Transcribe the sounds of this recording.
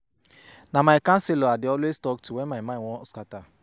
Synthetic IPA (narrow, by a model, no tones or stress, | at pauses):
namaɪkãnselɔadɪɔlweztɔk̚tʰuwemaɪmãwɔ̃skata